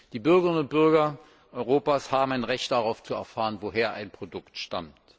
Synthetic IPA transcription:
d̥iːbʏɐɡəʁɪnʊnt̚b̥ʏɐɡɐ | ʔɔʏʁoːpaːshaːbm̩aɪnʁɛçtd̥aʁaʊft͡suɛ̰ɐfaːʁənvoɦeːɐʔa̰ɪnpʁ̥odʊktʃta̰mt

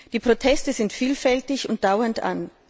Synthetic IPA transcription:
d̥iːpʁ̥otʰɛstəzɪntfiːlfɛltɪçʊnt̚d̥aʊɐntʔa̰n

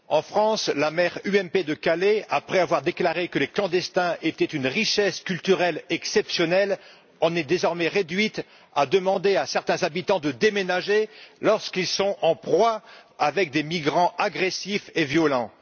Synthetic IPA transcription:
ɑ̃fχɑ̃slamɛʁyɛmped̪əkaleapχɛavwaʁd̪eklaʁekəleklɑ̃d̪ɛst̪ɛ̃ʔet̪ɛt̪ynʁiʃɛskʲylt̪yʁɛlɛksɛpsjɔnɛl | ɑ̃nɛd̪ezɔʁmɛʁed̪ɥit̪ | ad̪əmɑ̃d̪easɛʁt̪ɛ̃zabit̪ɑ̃d̪əd̪emenaʒelɔʁskilsɔ̃ɑ̃pχwaavɛk̚d̪emiɡʁɑ̃aɡʁesifevjɔlɑ̃

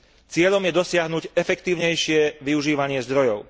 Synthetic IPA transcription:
t͡sɪɛʎɔmjɛd̪ɔsɪaɦnuɟɛfɛkt̪iːʊɲɛjʃɪɛʋiuʒiːʋaɲɪɛzd̪ɾɔjɔʊ

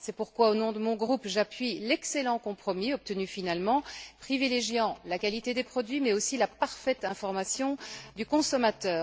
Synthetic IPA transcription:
sɛpuʁkwaonɔ̃d̪əmɔ̃ɡʁupʒapɥilɛkselɑ̃kɔ̃pχɔmiɔp̚t̪ənyfinalmɑ̃pχivileʒjɑ̃lakalit̪ed̪epχɔd̪ɥimɛosilapaʁfɛt̪ɛ̃fɔʁmasjɔ̃d̪ykɔ̃sɔmat̪œː

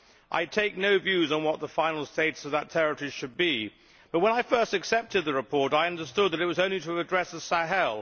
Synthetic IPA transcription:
ʔa̰ɪtʰeɪk̚noʊvjʉzn̩wʌt̪̚ðəfãɪ̃nl̩ˠsteɪtsəvðətʰɛɹɨtʰə˞iʃɨd̚bi | b̥ʌt̚wə̃naɪfɜ˞stɨksɛp̚tɨd̪̚ðɨɹɨpʰɔɹɾaɪʌ̃ndə˞stʊd̪̚ðɨɾɨt̚wʌzõʊ̃nliɾʰəvɨdɹɛsɨsæɦɛlˠ

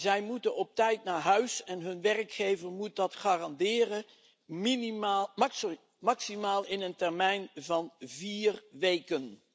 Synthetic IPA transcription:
zɛjmutənɔp̚tɛjtnaːɹɦœɥsɛnɦɵnʋɛrkχejvəɹmut̚dɑtχaːrɑndɪːrə | min | mɑksimaːlˠɪnəntɛɹmɛjnvɑnviːrʋejkən

